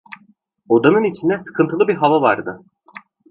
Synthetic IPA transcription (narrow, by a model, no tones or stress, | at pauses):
o̞d̪anɯnit͡ʃʰind̪ɛsɯ̥kʰɯnt̪ʰɯlˠɯbiɾɦavavaɾd̪ɯ